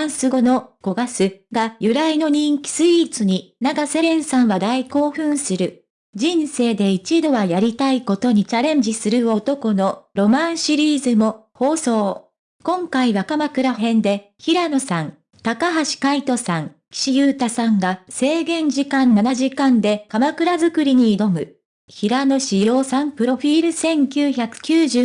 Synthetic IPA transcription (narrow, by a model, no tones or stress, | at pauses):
ãsɨɡo̞no̞ko̞ɡasɨɡajɯ̟ɾaino̞ɲ̟ĩŋkʲi̥sɨit͡sɨɲ̟inaɡase̞ɾẽ̞ɰ̃sãɰ̃βad̪aiko̞ːɸɯ̟̃ɰ̃sɨɾɯ̟ | d͡ʑĩɰse̞ːd̪e̞it͡ɕid̪o̞βajaɾʲit̪aiko̞t̪o̞ɲ̟it͡ɕaɾẽ̞ɲ̟d͡ʑisɨɾɯ̟o̞t̪o̞ko̞no̞ɾo̞mãɰ̃ɕiɾʲiːzɨmo̞ | ho̞ːso̞ː | kõ̞ŋkaiβakamakɯ̟ɾaɦẽ̞nd̪e̞ | çiɾano̞sãŋ | t̪akaɦaɕi̥kait̪o̞sãŋ | kʲi̥ɕijɯːt̪asãŋɡase̞ːɡẽ̞ɲ̟d͡ʑikãnːanaʑikãnd̪e̞kamakɯ̟ɾazɨkɯ̟ɾʲiɲ̟iːd̪o̞mɯ̟ | çiɾano̞ɕijo̞ːsãmpɯ̟ɾo̞ɸʲiːɾɯ̟sẽ̞ŋkʲɨːçakɯ̟̥kʲɨːʑɨː